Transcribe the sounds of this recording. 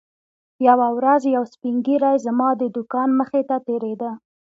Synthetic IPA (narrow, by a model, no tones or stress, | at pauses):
jawawɾazjawspiŋɡiɾɑjzamɑd̪əd̪ʊkɑnməxet̪at̪eɾed̪ə